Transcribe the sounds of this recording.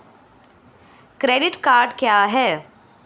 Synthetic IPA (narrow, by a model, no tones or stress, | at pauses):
kɾeːɖɪʈkaːɾɖkjaːɦɛː